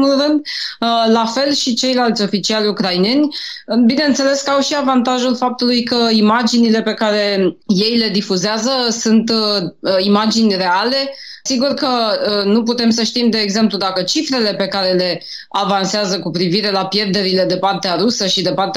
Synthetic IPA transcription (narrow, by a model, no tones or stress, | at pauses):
mulrɨnd̪lafe̞lʃit͡ʃe̞jlalt̪sʲo̞fit͡ʃialʲukɾajne̞nʲ | bineɨnt̪se̞le̞skawʃiavant̪aʒulfap̚t̪ulujkəimad͡ʒinile̞pe̞kaɾe̞je̞jle̞d̪ifuzeazəsunt̪ | imad͡ʒinʲre̞ale̞ | siɡurkənuput̪e̞ms̬əʃt̪imd̪e̞ːɡze̞mplud̪akət͡ʃifɾe̞le̞pe̞kaɾe̞le̞ | avanseazəkupɾiviɾe̞lapje̞rd̪e̞ɾile̞d̪e̞part̪eaɾusəʃid̪e̞part̪e